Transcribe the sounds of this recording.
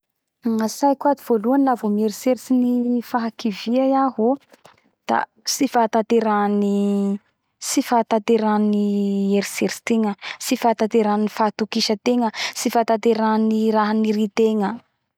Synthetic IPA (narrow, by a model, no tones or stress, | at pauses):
ŋasajkuad̪iv̥oluanilavomieɾiseɾt͡sinifaɦakiviajaɦo | d̪̥a̰ | sifat̪at̪eɾani | sifat̪at̪eɾanieɾiseɾsi̥t̪eŋəsifaːt̪at̪eɾaninifat̪ukiʃət̪eŋəsifat̪at̪eɾaniɾaɦanirit̪eŋə